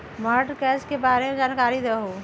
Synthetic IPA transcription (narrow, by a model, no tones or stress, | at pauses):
məʈkɛːt͡ʃkebaːɾemed͡ʒaːnkaːɾid̪eɦoː